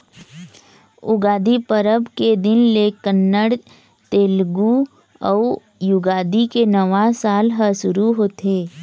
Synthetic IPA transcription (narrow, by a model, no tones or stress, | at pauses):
ʊ̰ɡaːd̪ipəɾəbked̪ɪnlekənːəɽ | t̪eːlɡu | ɔː | jʊɡaːd̪ikenəʋasaːlɦəsʊɾuɦoːt̪eː